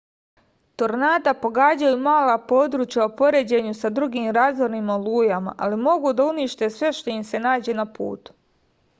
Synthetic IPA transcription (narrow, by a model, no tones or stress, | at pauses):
t̪o̞ɾnaːd̪apo̞ɡaːd͡ʑajumaːlapo̞ːd̪ɾuːt͡ʃjaopo̞ɾe̞d͡ʑe̞ɲusad̪ɾuɡiːmɾaːzʋoɾnimaolˠuːjama̰ʔalimo̞ɡud̪auniʃt̪e̞sʋe̞ʃt̪o̞imse̞naːd͡ʑe̞ːnapṵːt̪u̥